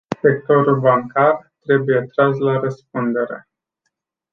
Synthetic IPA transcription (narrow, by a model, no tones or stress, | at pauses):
sek̚t̪o̞ɾulbaŋkart̪ɾe̞bujet̪ɾas̬laɾəsp̚und̪e̞ɾe̞̰